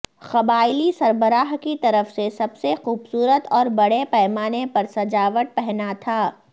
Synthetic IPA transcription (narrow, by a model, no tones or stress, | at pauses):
xɐbaːɪlisɐɾbəɾaːɦkit̪ɐɾəfsesɐbsexuːbsuːɾət̪ɔːɾbɐɽepɛːmaːnepɐɾsɐd͡ʒaːʋəʈ̪̚pɛɦnat̪ʰaː